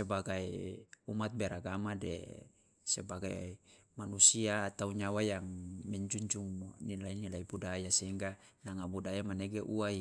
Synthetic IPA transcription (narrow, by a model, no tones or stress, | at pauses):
sɛbaɡaiumat̪̚bɛɾaɡamadɛ̰ | sɛbaɡa | manusiat̪auɲawajaŋmɛɲd͡ʒuɲd͡ʒuŋnilainilaibudajasɛiŋɡa | naŋabudajamanɛɡeʔuai